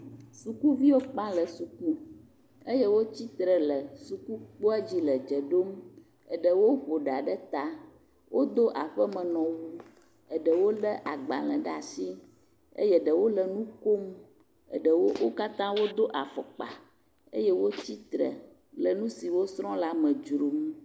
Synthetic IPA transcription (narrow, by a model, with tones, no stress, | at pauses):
su˨ku˦vi˦wo˦k͡pã˦lə˨su˨ku˦ | e˦jɛ˦wo˦t͡ɕi˦t̪ɾə˨lə˨su˨ku˦k͡po˦ɛ˦d͡ʑi˦lə˨d͡ʒə˨ɖo˦m | ə˨ɖə˨wo˦ɸo˨ɖa˨ɖə˦t̪a˦ | wʔo˦d̪o˦ʔa˨ɸə˦mə̃˨nɔ̃˨wu˦ | ə˨ɖə˨wo˦lə˦ʔa˨ɡ͡bã̰˨lə̰̃˨ɖə˦a˨si˦ | ə̰˦jɛ˦ɖə˨wo˦lə˨nũ˦ko˦m | ə̰˨ɖə˨wo˦wo˦ka˦t̪ã˦wo˦d̪o˦ʔa˨fɔ̰˨k͡pa̰˨ | ə̰˦jɛ˦wo˦t͡ɕi˦t̪ɾə̰˨ | lə˨nũ˦si˨wo˦sɾɔ̃˦la˦mə̃˨d͡ʒɾo˨m